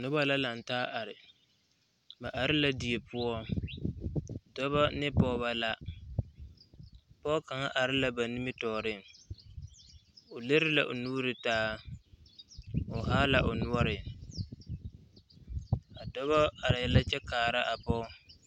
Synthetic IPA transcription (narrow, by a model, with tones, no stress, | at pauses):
nʊ˦ba˦la˦la˨n˨taː˦ʔa˨ɾɪ˨ | ma˨ʔa˨ɾɪ˦la˦di˨e˨pʊ˦ɔ˦ | dɔ˦bɔ˦nɪ˦pɔ˦βa˦la˦ | pɔ˦ka˨ŋa˦ʔa˨ɾɪ˦la˦ba˨ni˦mɪ˦tɔː˨ɾɪ˦ŋ | ʊ˨le˦ɾɪ˦la̰˨ʔʊ˨nuː˦ɾɪ˨taː˦ | ʊ˨ɦa˦la˨ʔʊ˨nu˦ɔ˦ɾɪ˨ | a˨dɔ˦βɔ˦a˨ɾɪ˨la˦t͡ʃɛ˦kaː˨ɾa˦ʔa˨pɔ˦